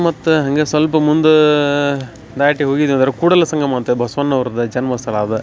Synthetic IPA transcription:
mɐt̪ːɯɦɐŋɡeːsʋɐlp̬ɐmʊnd̪ɯ | d̪aːjɐʈːiɦoːɣiðɐnd̪ɐɾɐkuːɽɐlɐsɐŋɡɐmaːt̪ɯbɐsʋɐnːɐʋɐɾd̪ɯd͡ʒɐnmɐsɐlaːðɯ

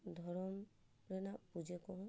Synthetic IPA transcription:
d̪ʱɔɾɔm | ɾɛnapud͡ʒekɔɦɔ̃

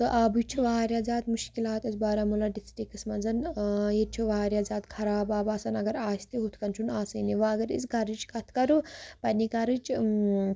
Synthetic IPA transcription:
t̪ɨʔaːbujt͡ʃʰuʋaːɾjaːzaːt̪muʃkilaːt̪ɐzbaːɾamulaɖisʈikɨsmɐd͡zɐnjet͡ʃʰuʋaːɾʲjaːzaːd̪kʰɐɾaːbaːbaːsɐnɐɡɐɾaːsi̥t̪iɦut̪ʰkɐnt͡ʃʰunaːsɐniʋaɐɡɐɾḭt͡sɡɐɾɨt͡ʃkɐt̪ʰkɐɾupɐnʲikɐɾɨt͡ʃ

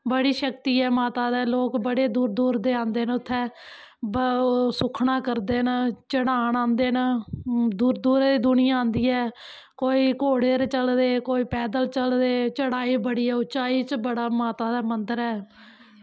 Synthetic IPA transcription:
bəɽiːʃəkt̪iːɛːmaːt̪aːd̪eːloːkbəɽeːd̪uːɾd̪uːɾd̪eːãːnd̪eːnʊt̪ʰːɛ̃ː | bsʊkʰɳãːkəɾd̪eːnt͡ʃəɽaːɳãːnd̪eːn | d̪uːɾd̪uːɾd̪iːd̪ʊnɪjãːãːnd̪iːɛː | koːiːkoːɽeːɾt͡ʃəld̪eːkoːiːpɛːd̪əlt͡ʃəld̪eːt͡ʃəɽaːiːbəɽiːɛːʊt͡ʃaːiːt͡ʃbəɽaːmaːt̪aːd̪aːmənd̪əɾɛː

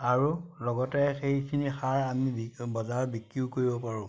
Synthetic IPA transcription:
aɹulɔɡɔtɛxejkʰinixaɹamibbɔzaɹbikɹiʊkoɹibɔpaɹʊ̃

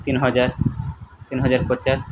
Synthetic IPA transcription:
t̪inɦɔd͡ʑaɾt̪inɦɔd͡ʑaɾpɔɾt͡ɕaʃ

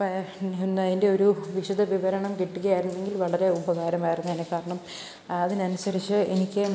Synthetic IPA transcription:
nːaðinde̞o̞ɾuʋiʂɐd̪ɐʋiʋɐɾɐɳɐmkiʈːuɣɐjaːjɾunːeŋɡilʋɐɭɐɾe̞ubɐɣaːɾɐmaːjiɾrunːɐɐnekːaːɾɐɳɐm | ɐðinɐnusɐɾit͡ɕːɨenikʲːɨ

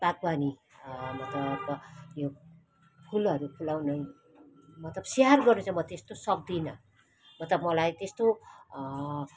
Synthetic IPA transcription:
b̥ak̚bani | mʌt̪lʌbjo | pʰulʌɾupʰulawnʌj | mʌt̪lʌbsearɡʌrnut͡sʰamʌt̪est̪osʌk̚d̪inʌ | mʌt̪lʌbmʌlajt̪est̪o

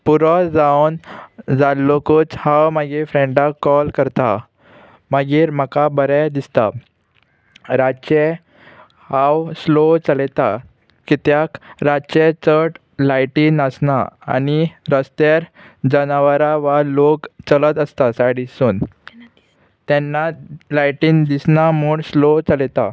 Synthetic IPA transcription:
puɾɔd͡zawnd͡zalːokuːt͡shawmaɡiːɾfɾẽɳɖakːɔlkəɾt̪a | maɡiːɾm̤akabəɾad̪ist̪a | ɾat͡ɕe | hawslot͡səlɛt̪a | kit̪jakɾat͡ɕet͡səʈ | lajʈiːnəsnaa̰ñiɾəst̪eɾ | d͡ʑənaʋəɾaʋalokt͡sələt̪əst̪asaɽisuːn | t̪ɛnːalajʈiːnd̪isnamuːɽslot͡səlɛt̪a

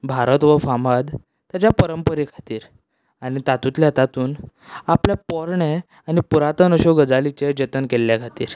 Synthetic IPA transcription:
bʱaɾət̪ʋəfamad̪ | t̪ːjat͡ɕjapəɾəmpəɾikʰḁt̪iːɾ | añit̪at̪ut̪ljat̪at̪uːn | apljapɔɾɳe | anipuɾat̪ənəɕɔɡəd͡zalit͡ɕed͡ʑət̪ənkelːjakʰat̪ḭːɾ

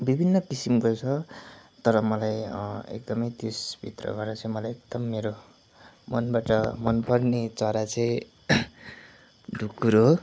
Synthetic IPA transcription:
bibʱinːʌkisimkot͡sʰʌt̪ʌɾʌmʌlajḛk̚d̪ʌmʌjt̪esbʱḭt̪rʌ̰ɡʌɾd̪at͡sʌĩmʌlajek̚d̪̥ʌmːeɾo | mʌnbaʈʌmʌnpʌrnet͡sʌɾat͡sʌ̃ĩ | ɖʱukːuɾo

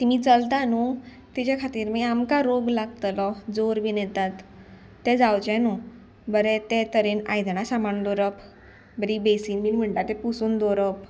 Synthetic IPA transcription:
t̪imiːt͡səlt̪anu | t̪it͡ɕakʰat̪iːɾmiamkaɾoɡlaɡt̪lɔd͡zoɾbinɛ̃t̪at̪ː | ɛd͡zawt͡ɕɛnu | bəɾɛt̪ɛt̪əɾenajd̪ɳasamaɳd̪oɾəp | bəɾibesiːnmiːnm̤əɳʈat̪ɛpusuːnd̪oɾəp̚

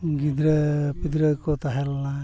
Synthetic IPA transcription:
ɡid̪ɾɛpid̪ɾəkɔt̪aɦɛlːa

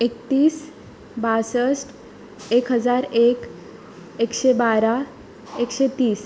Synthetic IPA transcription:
ekt̪iːs | basəsʈ | ekɦəd͡zaɾek | ekɕebaɾa | ekɕet̪iːs

